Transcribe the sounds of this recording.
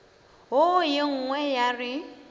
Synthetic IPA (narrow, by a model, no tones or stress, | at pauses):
ɦojɪŋ̩ŋwɛjarɪ